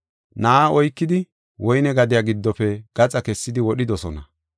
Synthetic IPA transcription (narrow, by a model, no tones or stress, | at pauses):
naːɔjkːɪd̪ɪ | wɔjnɛɡɐd̪ɪjaːɡɪd̪ːɔfɛɡ̥ɐt͡sʼɐkɛsːɪd̪ɪwɔɗɪd̪ɔsɔnɐ